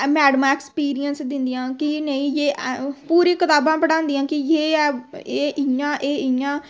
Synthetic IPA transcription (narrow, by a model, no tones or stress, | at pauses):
mɛːɖmãːeːkspiːɾijənsd̪ɪ̃nd̪ijãːkɪnəĩːd͡ʒeːʔpuːɾĩːkɪt̪aːbãːpəɽãːnd̪ijãːkɪjeːeːʔɪjãːʔeːɪjãː